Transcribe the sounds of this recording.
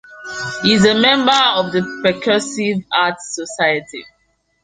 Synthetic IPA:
hizemɛ̃mbəɔvðəpɹɛkʰɜsivatsɔsaɪətʰḭ

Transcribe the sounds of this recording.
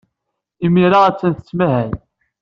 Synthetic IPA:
imiɾaæt͡sːænθə̥t͡sːmæɦæn

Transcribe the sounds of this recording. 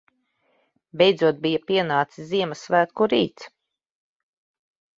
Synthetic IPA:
bʲɛjd̪zuɔt̪̚bijapiɛnaːt̪siziɛmɐsvæːt̪kuɾḭːt̪s

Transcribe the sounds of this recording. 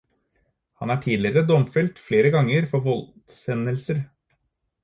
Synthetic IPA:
hɑnæːʈʰiːlɪɾəd̪ɔmfɛlt̪fleːɾəɡɑŋəɾfɔɾʋɔlt̪sɛnəlsəɾ

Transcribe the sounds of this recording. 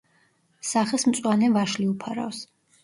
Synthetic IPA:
saχɛsmt̪sʼwanɛvaʃliupʰaɾa̰ws

